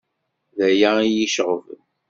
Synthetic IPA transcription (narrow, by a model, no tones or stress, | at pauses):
ðæjæijiʃʁəvən